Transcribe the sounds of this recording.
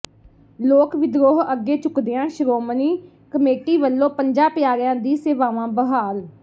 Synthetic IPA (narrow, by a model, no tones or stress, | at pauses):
loːkʋɪd̪ɾoːɦəɡːeːt͡ʃʊkd̪ɪjãːʃɾoːməniː | kəmeːʈiːʋəlːõːpəɲd͡ʒaːpɪjaːɾɪjãːd̪iːseːʋaːʋãːbəɦaːl